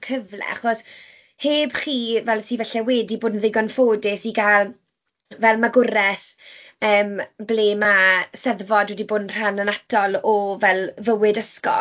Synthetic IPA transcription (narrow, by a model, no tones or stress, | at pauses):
kʰəvlɛ̰a̰χɔs | heːbχiːvɛlˠsivɛɬɛwɛːdiboːdnðɪɡɔnfoːdɪsiɡalˠ | vɛlˠmaɡʊɾɛθ | əːmbleːmasɛðvɔdwɛdiboːdnr̥anənatʰɔlˠɔvɛlˠvəwɪdəskɔ̰